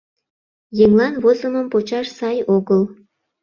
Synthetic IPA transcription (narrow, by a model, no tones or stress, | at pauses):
jemlɑnβozəməmpot͡ɕɑʃsɑjoɣəl